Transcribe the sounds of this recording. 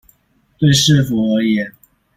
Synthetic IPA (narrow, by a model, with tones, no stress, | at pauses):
t̪we˥˨ɪʂɻ̩˥˨fu˨˦ə˧˥jɛ˨˩˦n